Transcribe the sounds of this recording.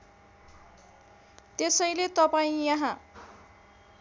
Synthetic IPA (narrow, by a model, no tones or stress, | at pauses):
t̪esʌjlet̪ʌpaĩjʌɦã